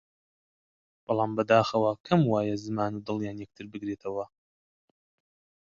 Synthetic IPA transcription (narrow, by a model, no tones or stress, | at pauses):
b̥ɑlˠɑːmbɐd̪aːxɐwakʰɐmwaːjɛzɨmaːnud̪ɨlˠjaːnjɛk̚t̪ʰɨɾbɨɡɾeːt̪ʰɐwɐ